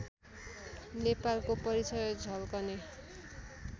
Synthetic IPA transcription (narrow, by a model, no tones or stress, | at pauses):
nepalkopʌɾit͡sʌjd͡zʱʌlkʌne